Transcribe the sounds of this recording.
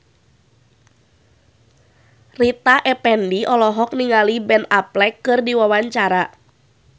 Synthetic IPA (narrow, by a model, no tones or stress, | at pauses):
rit̪aʔɛpɛndiʔɔlɔɦɔk̚niŋalibɛnaplɛkːɨrdiwawaɲt͡ʃaɾa